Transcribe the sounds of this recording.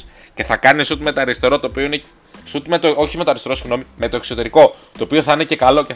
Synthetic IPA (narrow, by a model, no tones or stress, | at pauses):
ce̞θɐkɐnisut̪me̞t̪ɐɾist̪e̞ɾo̞t̪opioine | sut̪met̪ooçime̞t̪oɐɾist̪e̞ɾosiɣno̞mime̞t̪o̞ekso̞t̪e̞ɾiko̞t̪o̞ːpioθɐinecekɐlo̞ce